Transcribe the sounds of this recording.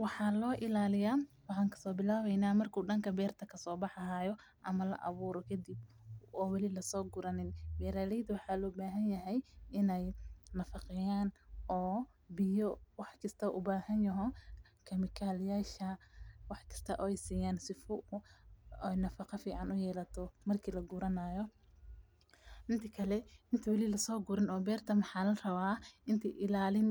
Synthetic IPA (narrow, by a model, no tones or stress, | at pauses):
wɑħɑːlɔːʔɪlaːlɪjaːwɑħɑːŋkʰɐ̥sɔːbɪlaːβɛjnaːmɐrkʰuːɖɐŋkʰɐbɛːrt̪ʰɐkʰɐsɔːbɑħɐɦaːjɔ | ʔɐmɐlɐ̰ʔɐ̰βuːɾɔkʰɐd̪ib | ɔːwɐlɪlɐsɔːɡʊɾɐnɪnbɛːɾaːlɛjd̪wɑħɑːlɔːbaːɦɐnjɐɦɛjɪnɛjnɐfɑqɪjaːnʔɔː | bɪjɔwɑħkʰɐst̪ʰɐʔʊbaːhɐnjɐɦɔ | kʰɐmɪkʰaːlɪjaːʃɐwɑħkʰɐ̥st̪ʰɐʔɔːɛjsiːjaːnsɪfʊʊɛjnɐfɑqɑfiːʕɑnʊjɛːlɐt̪ʰɔmɐrkʰiːlɐɡuɾɐnaːjɔ | ʔɪnt̪ʰɐkʰɐlɛɪnt̪ʰɐwɐliːlɐsɔːɡʊɾɪnɔːbɛːrt̪ʰɐmħɑːlɐrɐβaːʔɪnt̪ʰɛʔɪlaːlɪn